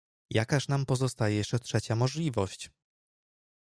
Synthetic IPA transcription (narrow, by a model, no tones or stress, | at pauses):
jakaʂnampɔzɔst̪ajɛjɛʂt͡ʂɛtʂɛt͡ɕamɔʐlʲivɔɕt͡ɕ